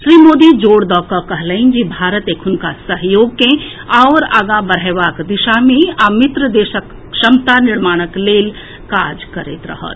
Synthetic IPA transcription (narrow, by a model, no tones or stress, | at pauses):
ʃɾiːmoːd̪id͡ʒoːɽd̪ɔkəkəɦləind͡ʒibʱaːɾət̪ekʰʊnkasəɦjoɡkẽ | aʊɾaːɡãbəɾ̤aɪʋaːkd̪iʃameamit̪ɾəd̪eːʃək | ʃəmt̪aniɾmaːɽ̃əkleːl | kad͡ʒkəɾḛt̪ɾə̰ɦə̰t̪